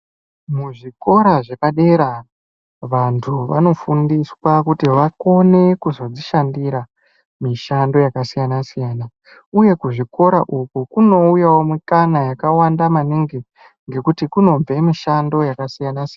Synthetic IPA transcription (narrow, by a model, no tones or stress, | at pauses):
muʐiko̞ɾaʐekaɗe̞ɾa | ʋantʰuʋa̰no̞fundiswakutiʋako̞ne̞kuzo̞d͡ziʃandiɾa | miʃando̞jakasijanasijaːna | uje̞kuʐiko̞ɾa̰ʔukukuno̞ujawomikanajakawandamaniŋɡe | ŋɡe̞kutikuno̞ɱve̞miʃando̞jakasijanasin